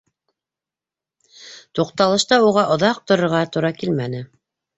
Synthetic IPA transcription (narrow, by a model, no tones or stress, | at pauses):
t̪uqt̪ɑlˠɤ̆ʃt̪ɑuʁɑʔŏðɑq̚t̪ŏɾŏɾʁɑt̪uɾɑkilmænɘ